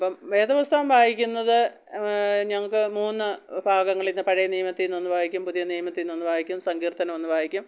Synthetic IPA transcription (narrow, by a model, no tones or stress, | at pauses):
ɐpːɐmʋe̞ːd̪ɐʋɐst̪ʰaːmbʱaːɡikʲːunːɐðɨ | ɲɐŋːɐɭkɨmuːnːɨbʱaːɡɐŋːɐɭinːɨpɐɻɐjɐnijɐmɐt̪ːilnonːɨbʱaːhikʲːumpuðijɐnijɐmɐt̪ːilnonːubʱaːjikʲːumsɐŋɡiːrt̪ɐnɐmo̞nːubʱaːjikʲːum